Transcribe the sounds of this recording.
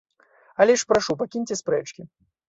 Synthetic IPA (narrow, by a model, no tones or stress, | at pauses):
alʲɛʂpɾaʂupakʲinʲt͡sʲɛspɾɛt͡ʂkʲi